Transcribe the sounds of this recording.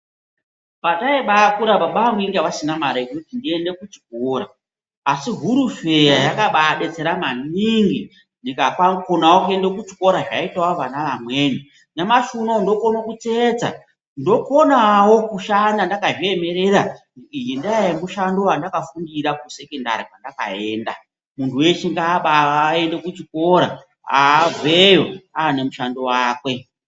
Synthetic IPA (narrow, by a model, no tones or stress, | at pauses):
pataiɓakuɾaɓaɓaːmwiŋɡeʋasinamaɾait͡ʃotindiende̞kut͡ʃi̥koːɾaː | siɦuɾufejajakaɓaɗe̞t͡se̞ɾamaniŋɡi | ndikakwakonawokue̞ndekut͡ʃiko̞ɾaʐa̰itawoʋanaʋamwe̞ni | namaʃunondo̞ko̞nakut͡seːt͡sa̰ | ndo̞ko̞nawo̞kuʃandandakaʐie̞me̞ɾe̞ɾa | ijindaaemuʃando̞andakafundiɾakuse̞kenda̰ɾipwandaka̰e̞ːnda | muntʰuwe̞t͡ʃiŋɡaːɓaːe̞ndekut͡ʃiko̞ɾa̰ | a̰ːvejo̞aːnemuʃando̞waːkwe̞